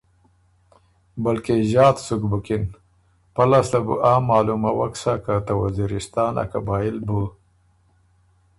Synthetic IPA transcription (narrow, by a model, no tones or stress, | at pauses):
balkeʒɑːt̪sukbukɪn | palaslabṵʔaːmɑːlumawaksakat̪awaziɾɪst̪ɑːna̰ka̰bɑːjɪlbu